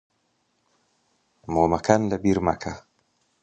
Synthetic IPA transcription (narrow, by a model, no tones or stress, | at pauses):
moːmakʰanlabiɾma̰kʰa